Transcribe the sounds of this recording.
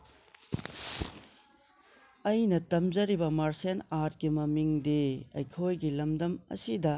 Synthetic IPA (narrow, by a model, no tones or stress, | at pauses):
ɐjnɐtɐmzɐɾibɐmaɾsenaɾt̚kimɐmiŋdeɐ̰jkʰojɡilɐmdɐmɐ̰sidɐ